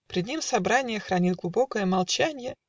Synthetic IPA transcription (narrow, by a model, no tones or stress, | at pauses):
pɾʲɪd̪nʲimsɐbɾanʲɪjəxɾɐnʲit̪ɡlˠʊbo̞kəjəmɐlˠt͡ɕænʲjə